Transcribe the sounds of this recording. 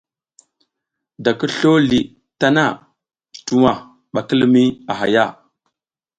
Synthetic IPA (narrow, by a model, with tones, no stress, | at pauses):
da˨kə˦ɬo˦li˨ | ta˦na˦˨ | tu˨wa˨ | ɓa˨kə˦lmi˦a˨ɦa˨ja˦˨